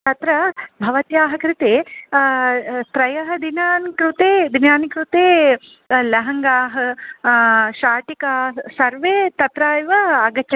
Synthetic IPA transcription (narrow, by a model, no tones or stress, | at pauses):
t̪ɐt̪ɾɐbʱɐʋɐt̪jaːɦɐkɾɪt̪eː | st̪ɾɐjɐɦɐd̪inaːnkɾut̪eːd̪injaːnkɾut̪eː | lɐɦɐŋɡaːɦɐ | ʃaːʈikaːsɐɾʋeːt̪ɐt̪ɾaːjʋɐɐɡɐtːɐ